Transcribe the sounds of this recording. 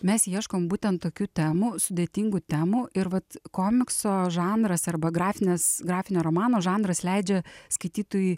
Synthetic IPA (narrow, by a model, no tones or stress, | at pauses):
mʲɛsjiɛʃkoːmbuːt̪ʲɛnt̪t̪ːoːkʲuːt̪ʲæːmuːsʊd̪ʲeːt̪ʲiŋɡut̪ʲæːmuːʔɪɾʋɐt̪koːmʲɪksoːʒɑːnd̪ɾɐsɐrbɐɡɾɑːfʲɪnʲɛsɡɾɑːfʲɪnʲoːɾoːmɑːnoːʒɑːnd̪ɾɐslʲɛɪd͡ʒʲɛskɐɪt̪ʲiːt̪oːji